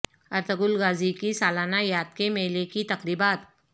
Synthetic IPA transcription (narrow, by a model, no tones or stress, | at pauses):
ɐɾt̪əɡʊlɣaːzikisaːlaːnajaːd̪̚kemeːlekit̪ɐqɾiːbaːt̪